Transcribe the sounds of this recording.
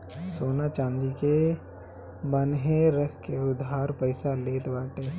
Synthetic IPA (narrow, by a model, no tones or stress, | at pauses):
soːnat͡ʃãːnd̪ike | bɐnɦẽɾəkʰkeʊd̪ɦaːɾpəɪsaleːt̪baːʈeː